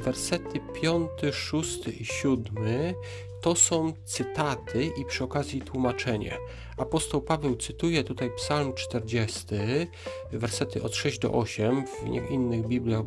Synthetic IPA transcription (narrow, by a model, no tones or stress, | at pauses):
vɛɾsɛt̪ɘpʲjɔnt̪ɘʂust̪ɘʔiɕud̪mɘ | t̪ɔsɔ̃w̃t̪sɘt̪at̪ʰɘʔipʂɘɔkazʲjit̪wumat͡ʂɛɲɛ̰ | apɔst̪ɔwpavɛwt̪sɘt̪ujɛt̪ut̪ajpsalmt͡ʂt̪ɛɾd͡ʑɛst̪ɘ | vɛɾsɛt̪ɘʔɔt̪ʂɛʑd͡ʑd̪ɔ̰ʔɔɕɛmvɲɛ̰xinːɘɣbʲiblʲjaɣ